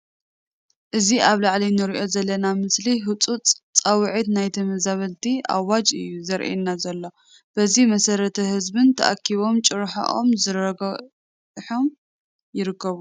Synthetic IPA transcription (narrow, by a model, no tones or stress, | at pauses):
ʔɨziʔaβlaʕlinɨɾiʔo̞zɐlːɐnamɨsliɦɨt͡sʼut͡sʼt͡sʼɐwʕit̪najt̪ʰɐmɐzaβɐlt̪ʰiʔa̰wad͡ʒʼɨ̰jːuzɐɾʔḛnːazɐlːo̞ | b̥ɐzimɐsɐɾɐt̪ʰɐhɨzbɨnt̪ʰɐ̰ʔa̰kʰːiβo̞mt͡ʃʼɨɾħa̰ʔo̰mzɨɾɐ | ħo̞m | jɪɾɨkʰːɐβu